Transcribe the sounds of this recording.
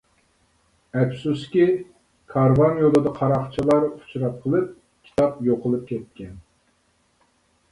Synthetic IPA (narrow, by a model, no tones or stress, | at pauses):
ɛpsuskʲi | kʰɑɾvɑnjod̪ɨd̪ɑqʰɑɾɑχt͡ʃʰilˠɑɾu̥t͡ʃɾɑt̪̚qʰəlˠɨp̚ | kʲʰi̥t̪ʰɑpjoqʰəlˠɨp̚kʲʰɛt̪̚kʲɛn